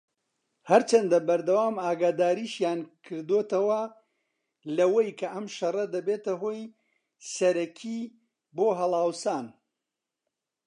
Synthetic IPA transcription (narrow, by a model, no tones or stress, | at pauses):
hɐɾt͡ʃʰɐnd̪ɐbɐɾd̪ɐwaːmaːɡaːd̪aːɾiːʃjaːnkʰɨɾd̪oːt̪ɐwɐ | lɐwejkʰɐʔɐmʃɐrˤɐd̪ɐbeːt̪ɐɦoːj | sɐɾɐkʰi | boːɦɐlˠaːwsaːn